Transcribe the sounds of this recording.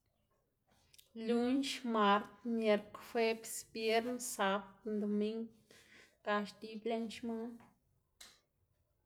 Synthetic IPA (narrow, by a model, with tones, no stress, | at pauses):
lu˦nʃma˨ɾt̪mje˧ɾkfe˦bsbje˦ɾnsa˨˦bt̪nd̪o˨mi˦ŋ | ka˧ʃd̪i˧ble˧˦nʃma˦